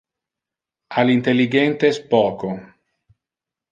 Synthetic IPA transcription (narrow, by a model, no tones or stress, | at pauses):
alint̪elːiɡɛnt̪espɔːko